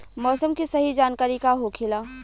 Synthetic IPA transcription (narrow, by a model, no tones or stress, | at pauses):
mɔːsəmkisɐɦid͡ʒaːnkaːɾikaɦoːkʰɪlaː